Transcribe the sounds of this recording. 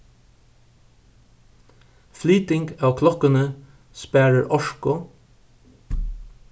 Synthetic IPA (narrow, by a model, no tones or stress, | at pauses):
flyːt̪ɪŋɡɑːʋkʰlɔkənə | spæːɹəɹʔɔʃkʊ